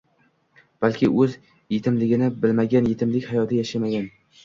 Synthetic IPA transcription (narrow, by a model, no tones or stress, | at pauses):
b̥alkʲʰɪʔɵz | jet̪ʰɪmlɪɡʲɪnɪbɪlmaɡʲanje̞t̪ʰɪmlɪkʲhajɒt̪ʰɪjaʃamaɡʲan